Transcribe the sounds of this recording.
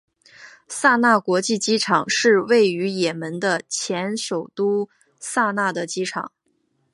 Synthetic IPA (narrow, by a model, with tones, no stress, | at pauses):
sa˥˧na˥˩kwɔ˧˥t͡ɕi˥˩t͡ɕi˥ʈ͡ʂʰɑ˨˩˦ŋʂɻ̩˥˧we˥˩ɪy˧˥jɛ˨˩mə˧˥nd̪ə˧t͡ɕʰjɛ˧˥nʂo˨˩ʊt̪u˥ | sa˥˧na˥˩d̪ə˩t͡ɕi˥ʈ͡ʂʰɑ̰˨˩˦ŋ